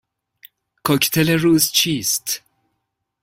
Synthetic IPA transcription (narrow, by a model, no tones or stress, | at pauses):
kʰɔkt̪ʰeleruːzt͡ʃʰiːst̪